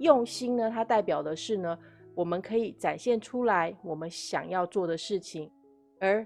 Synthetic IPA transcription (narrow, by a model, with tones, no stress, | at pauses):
jʊ˥˩ŋɕi˥ŋnə˨t̪ʰa˥t̪a˥˩ɪpjɑ˨˩ʊd̪ə˦ʂɻ̩˥˩nə˩wɔ˨˩mə˦nkʰɤ˧˥i˨˩ʈ͡ʂa˨˩nɕjɛ˥˩nʈ͡ʂʰu˥la˧˦ɪwɔ˨˩mə˦nɕjɑ̰˨˩ŋjɑ˥˧ʊt͡swɔ˥˩d̪ə˩ʂɻ̩˥˩t͡ɕʰi˨˩ŋ | ə˧˥